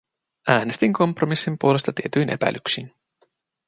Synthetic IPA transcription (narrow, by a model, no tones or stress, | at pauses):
æːne̞st̪iŋko̞mpro̞misːimpuole̞st̪ɑt̪ie̞t̪yjnʔe̞̰pæ̰jlyksin